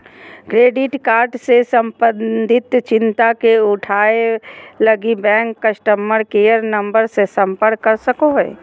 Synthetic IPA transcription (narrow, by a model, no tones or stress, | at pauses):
kɾeːɖɪʈkaːɾʈsesə̃mpənd̪ʱɪt̪t͡ʃɪ̃nt̪akeʊʈʰaːeləɡibɛ̃ːŋkːəʃʈəmːəɾkeːjəɾnə̃mbəɾsesə̃mpəɾkːəɾsəkoɦḛ